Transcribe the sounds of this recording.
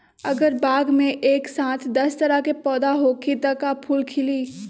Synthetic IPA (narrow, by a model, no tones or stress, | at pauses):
ɐɡəɾbaːɡmẽʔeːksãːt̪ʰd̪ɐst̪ɐɾakepɔːd̪aɦokid̪əkapʰuːlkʰɪliː